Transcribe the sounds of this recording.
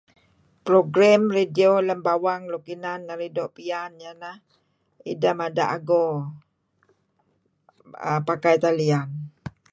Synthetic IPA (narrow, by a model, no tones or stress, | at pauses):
pɾoɡɾamredioləmbawaŋlokinanŋaɾidoʔpianjanah | ḭdəmada̰ʔaɡo | ə̰pakajt̪alian